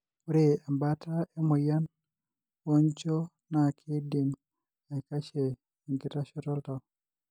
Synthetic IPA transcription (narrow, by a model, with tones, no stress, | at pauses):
u˦ɾe˦a˨mba˦ta˦e˦mo˨ja˦n | wɔ˦ɲt͡ʃɔ˦ | na˨kʰi˦di˨n | a˨ka˦ʃe˨ | ŋɡi˦ta˦ʃɔ˦tɔ˦lta˨